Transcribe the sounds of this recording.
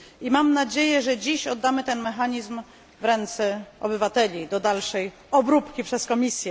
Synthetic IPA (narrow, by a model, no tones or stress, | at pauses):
imamnad͡ʑejɛʐɛd͡ʑiɕɔd̪ːamɘt̪ɛnmɛxaɲizm | vɾɛnt̪sɛʔɔbɘvat̪ɛlʲid̪ɔd̪alʂɛj | ɔbɾupkʲipʂɛskɔmʲisʲjɛ